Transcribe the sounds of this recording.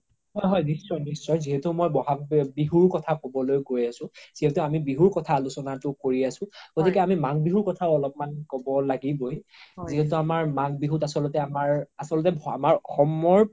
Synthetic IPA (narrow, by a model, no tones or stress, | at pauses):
hɔjɦɔjnisɹɔjnisɹɔjziɦɛtʊmojbɔɦabiɦuɹkɔtʰakɔbɔlojɡojasʊ̃z̥iɦɛtʊamibiɦuɹkɔtʰalusɔnatʊkoɹiasʊ̃ɡ̥otikɛamimaŋbiɦuɹkɔtʰaʊɔlɔp̚mankɔbɔlaɡibojziɦɛtʊamaɹmaŋbiɦutasɔlɔtɛamaɹasɔlɔtɛba̰maɹɔxɔmɔɹ